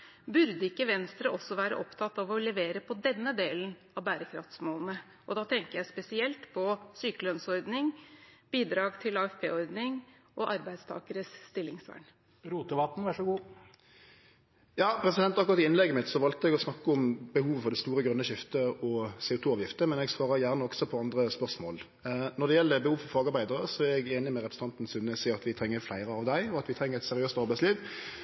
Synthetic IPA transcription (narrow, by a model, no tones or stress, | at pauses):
bʉɾd̪əɪkːəʋɛnst̪ɾəʔɔsːɔʋæːɾə̰ʔɔpt̪ʰɑt̪ːɑʋɔlɛʋeːɾəpʰɔd̪ɛnːəd̪eːlənɑʋbæːɾəkʰɾɑ̰ft̪smoːlən̩ə | ʔɔd̪ɑːt̪ʰɛŋkəɾjæɪspɛsɪɛlt̪pʰɔsyːkəlœnsɔɾd̪nɪŋb̥iːd̪ɾɑːɡt̪ʰɪlɑːɛfpʰḛːɔɾd̪nɪŋ | ʔɔʔɑɾbæɪd̪st̪ʰɑ̰ːkəɾəsst̪ɪlːɪŋsʋæ̰ːɳ | ɾuːt̪əʋɑt̪n̩ʋɑʂɔɡuː | jɑːpʰɾɛsɪd̪ɛnt̪ɑkʊʁɑt̪ɪɪnlɛɡːəmɪt̪sɔʋɑlt̪əɛɡɔsnɑkːəʊmbəhuːʋəfɔɾɖ̪ɛst̪uːɾəɡɾʉnːəʃɪft̪əɔsɛːʊt̪ʰuːɑːʋjɪft̪əmɛnɛɡsʋɑːʁəjæʁnəɔɡsɔpʰɔɑnd̪ʁəspœʁsmoːl | nɔʁd̪ɛjɛlːəɾbəhuːʋfɔɾfɑːɡɑɾbæɪd̪əʁəsɔæɾɛɡeːnɪmɛʁɛpʰʁs̩ɑnt̪n̩sʉnːəsiːɑt̪ʋɪt̪ʰɾɛŋːəɾflæɪʁəɑʋd̪æɪɔɑt̪ʋɪt̪ʰɾɛŋːəʁɛt̪sɛɾɪøːst̪ɑɾbæɪsliːʋ